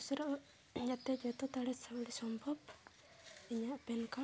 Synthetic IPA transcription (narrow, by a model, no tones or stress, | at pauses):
usɾɔʔ | d͡ʒat̪ɛd͡ʒɛt̪ɔt̪aɽɛsawɽisɔmbʱɔb | iɲaʔpɛnka